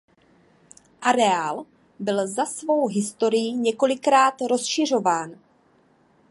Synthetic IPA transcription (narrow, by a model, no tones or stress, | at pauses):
ʔaɾɛaːl | bɪlzasvo̞wɦɪst̪o̞ɾɪjiɲɛko̞lɪkɾaːt̪ɾo̞sʃɪr̝o̞vaːn